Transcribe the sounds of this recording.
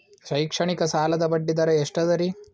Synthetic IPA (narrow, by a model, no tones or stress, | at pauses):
ʃɐjkʂɐɳikɐsaːlɐd̪ɐbɐɖːid̪ɐɾɐeʂʈɐd̪ɐɾi